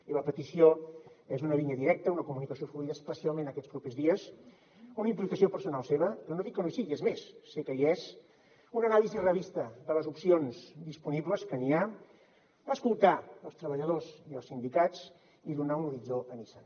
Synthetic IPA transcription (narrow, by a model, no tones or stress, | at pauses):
iləpət̪isioezunəβiɲəðiɾɛk̚t̪əunəkumunikəsiofluiðəspəsialˠmẽnəkɛt͡spɾupezðiəs | unəimplikəsiopəɾsunalˠseβ̞əpɾɔnoðikːənusiezmesːekəiɛz | unənalizirəβist̪əðələzupsionzd̪ispuniβləskənia | baskulˠt̪aəlˠst̪ɾəβ̞əʎəðoziəlˠsind̪ikat͡s | iðunaunuɾizoənisə